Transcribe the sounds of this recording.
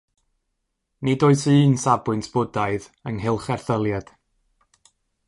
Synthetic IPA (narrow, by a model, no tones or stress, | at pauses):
nɪdoɨsɨːnsabwɨntʰb̥ʊdaɨð | əŋɦɪlˠχɛrθəlˠjad̥